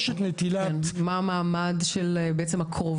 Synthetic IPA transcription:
ʃet̪net̪ilanmaːmaːmadʃelbeʔet͡semakʰʁov

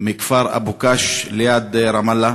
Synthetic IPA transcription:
mikfaɾa̰bukaʃlejad̪ɾamalːa

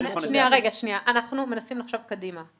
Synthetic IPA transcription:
ʃʃniaʁeɡaʃniaʔanaχnume̞nasimlaχʃo̞vkad̪ima

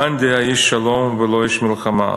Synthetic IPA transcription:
and̪eaiʃːalomvəlojɛʃmɪlχama̰

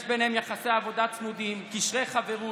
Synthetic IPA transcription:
ʃbenhemjaχasejavod̪at̪t͡smud̪imkiʃʁeχaveʁu

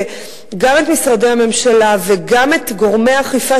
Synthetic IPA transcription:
ɡame̞t̪misʁadejhame̞mʃalaveɡame̞t̪ɡo̞ʁmehaχifa

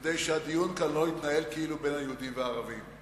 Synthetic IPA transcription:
d̪ejʃead̪ijunkanloit̪nae̞lkeilube̞nhajeud̪imveaːʁavim

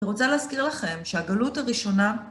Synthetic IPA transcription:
iʁot͡saleːzkiʁlaχe̞mʃehaɡalutaʁiʃo̞na

